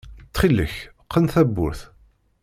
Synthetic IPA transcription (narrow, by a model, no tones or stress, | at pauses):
t͡sːχilːə̰çqːənθæbːʊ̰ɾθ